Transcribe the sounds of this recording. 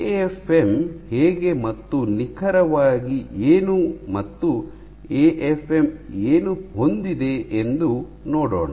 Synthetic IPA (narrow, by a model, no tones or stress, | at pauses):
eepʰemheːɡe̞mɐt̪ːunikʰɐɾɐʋaːɡieːnumɐt̪ːu | eːʔepʰemeːnuhond̪id̪e̞ʔend̪u | noːɽo̰ːɳɐ